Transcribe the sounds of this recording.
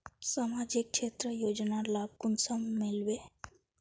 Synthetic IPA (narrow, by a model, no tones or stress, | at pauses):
samad͡ʒik̚kʃʰet̪ɾəjod͡ʒnalab̚kunsəmːilbe